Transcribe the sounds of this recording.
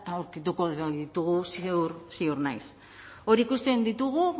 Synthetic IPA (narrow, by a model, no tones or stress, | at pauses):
t̪aawɾkit̪uko̞ðit̪uɣusiuɾsiuɾnajs | o̞ɾikust̪e̞nd̪it̪uɣu